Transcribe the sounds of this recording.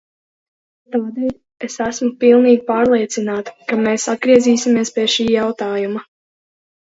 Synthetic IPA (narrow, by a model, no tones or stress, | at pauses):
t̪aːd̪ɛl | esæsmupilˠniːɡpaːɾlˠiɛt̪sinaːt̪u̥kameːsat̪̚ɡɾiɛziːsʲimiɛspʲiɛʃiːjawt̪aːjuma